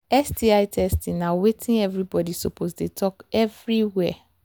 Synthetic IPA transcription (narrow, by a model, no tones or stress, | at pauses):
ɛsdiaɪtʰɛstĩnnawetʰĩnɛvɹibɔdisopʰozdetʰɔkɛvɹiwɛ